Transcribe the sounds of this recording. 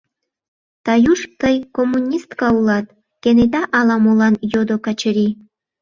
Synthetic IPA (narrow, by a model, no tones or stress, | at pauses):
t̪ɑjuʃt̪əjkomːunʲist̪kɑulɑt̪̚ | kened̪ɑʔɑlɑmolɑnjod̪okɑt͡ɕəɾi